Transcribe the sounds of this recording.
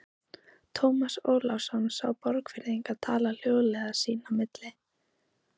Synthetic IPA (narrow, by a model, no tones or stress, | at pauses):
t̪ʰowmasoːwlawsɔnsawpɔɾkfɪɾɪejŋkaðt̪ʰaːlal̥joːwðʏlɛɣasiːnamɪt̪lɪ